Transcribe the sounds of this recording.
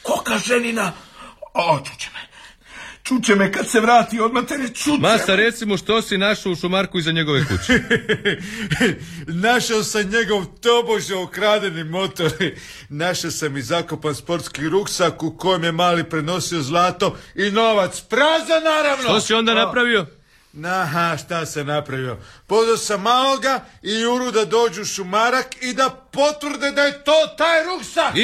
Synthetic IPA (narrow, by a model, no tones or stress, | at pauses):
kokaʒenina | t͡ʃu̥t͡ɕe̥me | t͡ʃut͡ɕemekad̪seʋɾaːt̪iod̪mat̪eɾet͡ʃ̪umast̪aɾe̞t̪simoʃt̪o̞sinaʃouʃumaɾkuizaɲe̞ɡo̞ʋekṵt͡ɕe̥ | naʃaosaɲe̞ɡo̞ʋt̪o̞boʒeokɾaːd̪enimo̞t̪oɾ | naʃasamizako̞panspo̞ɾt̪skixɾuksakuko̞jemje̞maːlipɾe̞no̞sio̞zlˠaːt̪o̞ino̞ʋat̪spɾazanaːɾaʋnoosiond̪anapɾaʋio | naɦaʃt̪asenapɾaʋio̞pod̪asamːaːlo̞ɡaiuɾud̪ad̪o̞ːd͡ʒuʃumaɾakid̪apo̞t̪ʋrɾd̪ed̪ajet̪oːt̪aːjɾuksak